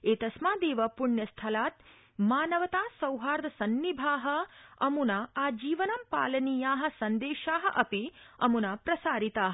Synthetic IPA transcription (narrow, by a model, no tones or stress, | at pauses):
eːt̪ɐsmaːd̪eːʋɐpuɳjɐst̪ʰɐlaːt̪ | maːnɐʋɐt̪aːsɐwɦaːɾd̪ɐsɐnːibʱaːɦɐ̆ɐ̰munaaːd͡ʒiːʋɐnɐmpa̰ːlɐniːjaːɦɐ̆sɐnd̪eːʃaːɦɐ̰̆ʔɐpi | ɐmunaːpɾɐsaːɾit̪aːɦɐ